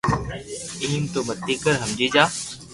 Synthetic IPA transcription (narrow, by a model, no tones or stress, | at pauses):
iːnt̪oːmət̪ːiːkəɾɦəmd͡ʒiːd͡ʒaː